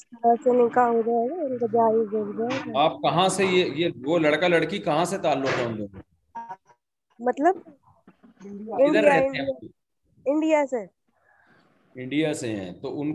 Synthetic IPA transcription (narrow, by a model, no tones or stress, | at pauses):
sɾasenɪĩkaɦoɾaɛɡaʊnkabaːiɡoɾɡaoɡaaːp̚kɐɦãsejejeʋolɐɽkalɐɽkikɐɦãset̪aːlːʊkɦoːnd̪oː | mɐt̪ləb̚ | ɪ̃ɳijaɪ̃ɳia | ɪ̃ɳɖijase | ɪ̃ɳɖijaseɦɛ̰̃t̪oʊn